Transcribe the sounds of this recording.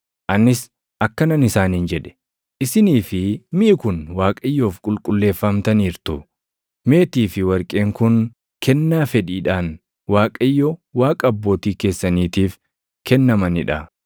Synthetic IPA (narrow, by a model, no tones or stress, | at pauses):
ʔɐnːɪs | ʔɐkːɐnɐnɪsaːniːnd͡ʒɛᶑɛ̥ | ʔɪsɪniːfɪmɪʔɪkʊnwaːkʼɐjːoːfkʼʊlkʼʊlːe̞ːfːɐmt̪ɐniːɾt̪ʊ | me̞ːt̪iːfɪwɐɾkʼe̞ːŋkʊn | kʰɛnːaːfɛᶑiːᶑaːn | waːkʼɐɪjːɔwaːkʼɐɐbːo̞ːt̪iːke̞ːsːɐniːt̪iːf | kɛnːɐmɐnɪᶑɐ